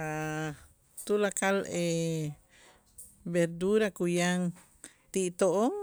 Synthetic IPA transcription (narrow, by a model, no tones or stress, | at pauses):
a | t̪ulakale | beɾd̪uɾakujaŋ | t̪iʔt̪oʔo